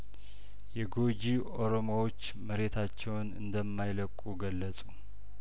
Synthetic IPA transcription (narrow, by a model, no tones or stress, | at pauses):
jɛɡo̞d͡ʒi | o̞ɾo̞mowo̞t͡ʃːməɾe̞t̪ʰat͡ʃːɛwnɨ̰nd̪əmːajləkʼːuɡəlːəsʼu